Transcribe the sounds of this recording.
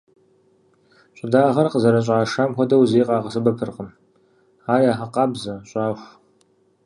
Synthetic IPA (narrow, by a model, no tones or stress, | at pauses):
ɕʷʼʊdaːʁɐrqəzɐɾɐɕʼaːʂaːmxʷɔdɐwzeːqʼɑːʁɐsɨbɐpʰɨrqəm | aːrjaːħɐqɑːbzɐɕʷʼaːɕʷ